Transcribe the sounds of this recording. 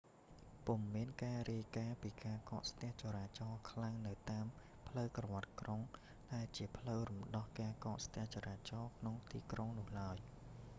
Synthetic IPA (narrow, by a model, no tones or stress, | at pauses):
pumːiənkaːriəjkaːpiːkaːkɑːʔst̪ɛ̆əht͡ɕoːɾaːt͡ɕɑːkʰlaŋnɨwt̪aːm | pʰləwkrɑʋŏət̪̚kroŋ | ɗaɛlt͡ɕiəpʰləwrumɗɑhkaːkɑːʔst̪ɛ̆əht͡ɕɑɾaːt͡ɕɑːkʰnoŋt̪ḭːkroŋnʊ̆əhlaəj